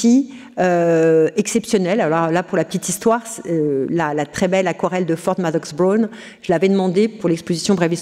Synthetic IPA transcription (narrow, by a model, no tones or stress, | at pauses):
i | øɛksɛpsjɔnɛlalɔʁlapuʁlapə̥t̪it̪ist̪waːʁslalat̪χɛbɛlakɔʁɛld̪əfɔʁd̪mad̪ɔksbʁon | ʒ̥əlavɛd̪əmɑ̃d̪epuʁlɛkspozisjɔ̃bʁɛvis